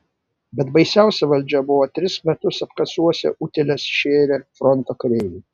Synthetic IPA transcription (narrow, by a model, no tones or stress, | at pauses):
bʲɛt̪bɐɪsʲæˑʊsʲɛʋɐlʲd͡ʒʲɛbʊʋoːt̪ʲɾʲɪsmʲɛt̪ʊsɐpkɐsuɔsʲɛ̰ʔʊt̪ʲɛlʲɛsʃʲeːɾʲefɾɔnt̪okɾʲɛːju